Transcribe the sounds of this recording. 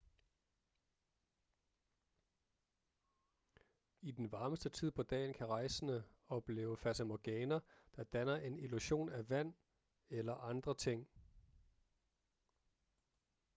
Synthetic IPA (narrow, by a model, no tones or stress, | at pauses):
id̥enʋɑ̈ːməsd̥ət͡sʰið̰ˠpʰɒ̽d̥ɛ̰ːnkʰæʁɑ̈ɪsənə | ɒ̽b̥le̝̰ːʊəfæsæmɒɡ̥ɛːnɐd̥ɑ̈d̥ænɐʔe̝niluɕo̝̰ːnæʋæn̰ | elɐʔɑ̈nd̥ʁɐt͡sʰe̝ŋ̰